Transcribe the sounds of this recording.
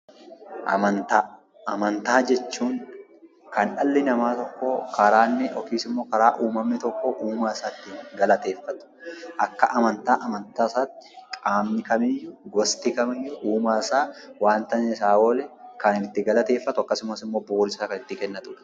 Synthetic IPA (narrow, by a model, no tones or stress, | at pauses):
ʔɐ̰mɐnt̪aː | ɐmɐnt̪aːd͡ʒɛt͡ʃːuːŋ | kʰɐnᶑɐlːɪnɐmaːt̪ɔkːokʰɐɾaːnːɛʔɔkiːsɪmːo̞ːkɐɾaːʔuːmɐmnɪt̪ɔkːoʔuːmaːɪsaːt̪ːinɡɐlɐt̪e̞ːfːɐt̪ʊ̥ʔɐkːɐʔɐmɐnt̪aːʔɐmɐnt̪aːsaːt̪ːɪ̥kʼaːmnɪkɐmɪjjʊɡɔst̪ɪkɐmɪjːʊʔuːmaːɪsaːwaːnt̪ɐnɛɪsaːwoːlɛkɐnɪɪt̪ːɪɡɐlɐt̪e̞ːfːɐt̪ʊɐkːɐsʊmɐsɪmːoːboːɔɾɪsaːkɐnɪt̪ːɪkɛnːɐt̪ʊᶑɐ̥